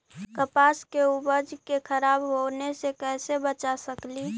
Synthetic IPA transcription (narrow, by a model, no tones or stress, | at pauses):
kəpaskeubəd͡ʒkekʰəɾaːbɦonesekɛːsebət͡ʃasəkli